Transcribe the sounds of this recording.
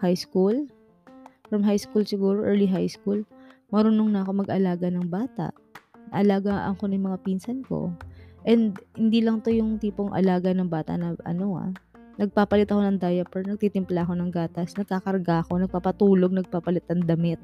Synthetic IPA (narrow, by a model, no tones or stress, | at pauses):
hajskul | fɾɐmɦajskulsɪɡuːɾoʔɛɹliɦajskulmɐɾʊnoŋnɐɐko̞mɐɡʔɐlaːɡanɐŋbaːt̪ɐ̰ʔ | nɐ̰ʔɐlaːɡaʔɐ̰ŋko̞nɐjmɐŋapiːnsɐnko̰ʔɛnd̪̚hɪnd̪iːlɐŋt̪o̞jʊŋt̪iːpo̞ŋʔɐ̰laːɡɐnɐŋbaːt̪ɐ̰ʔnɐʔɐ̰no̞a̰ | nɐɡ̚paːpɐlɪt̪ɐko̞nɐŋd̪ajɐpɛɹnɐɡ̚t̪iːt̪ɪmplaʔɐko̞nɐŋɡaːt̪ɐsnɐɡ̚kakɐɾɡaɐko̞nɐɡ̚papɐt̪uːlo̞ɡ̚nɐɡ̚papɐlɪt̪̚nɐŋd̪ɐmɪt̪̚